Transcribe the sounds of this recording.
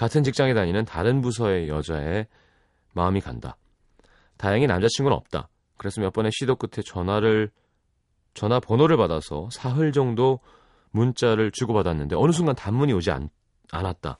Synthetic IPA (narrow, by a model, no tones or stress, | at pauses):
katʰɯnt͡ɕik̚t͡ɕ͈aŋedaɲinɯntaɾɯnbus̬ʰʌe̞jʌd͡ʑae | maɯmika̰nda̰ | tajaŋinamd͡ʑat͡ɕʰiŋɡunʌ̰p̚t͈a̰ | kɯɾesʰɯmjʌk̚p͈ʌne̞ɕʰidok͈ɯtʰe̞t͡ɕʌnaɾɯ | t͡ɕʌnapʌnoɾɯɭpadasʰʌ̰sʰaɦɯɭd͡ʑʌŋdo | munt͡ɕ͈aɾɯɭt͡ɕuɡobadanːɯnde̞ʌnɯs̬ʰuŋɡantamːuɲiod͡ʑia̰ | a̰nat̚t͈a̰